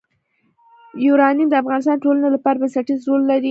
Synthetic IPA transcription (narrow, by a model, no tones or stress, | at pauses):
juɾɑnimd̪əafɣɑnɪs̬t̪ɑnʈolanalapɑɾabənsaʈizɾolːaɾi